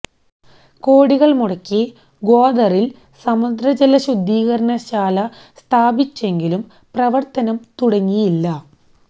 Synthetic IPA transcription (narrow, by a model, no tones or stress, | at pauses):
ko̞ːɽiɣɐɭmuɽɐkːi | ɡo̞ːd̪ɐril | sɐmud̪ɾɐd͡ʑelɐɕud̪ʱːiːɣɐɾɐnɐɕaːlɐ | st̪ʰaːbit͡ɕːe̞ŋɡilum | prɐʋɐrt̪ɐnɐmt̪uɽɐŋːijilːɐ